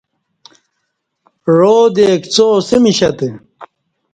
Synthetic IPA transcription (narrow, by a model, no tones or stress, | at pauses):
ɻoːd̪eːkt͡soːsimiɕɐt̪e